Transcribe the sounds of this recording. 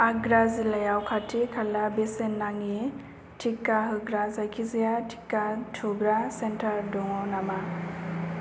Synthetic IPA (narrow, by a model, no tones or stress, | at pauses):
aɡɾazilajawkʰatʰikʰalabesenːaŋi | tʰikːaɦɯɡɾazajkʰizijatʰi̥kːatʰuɡɾasentʰaɾdɔŋɔnama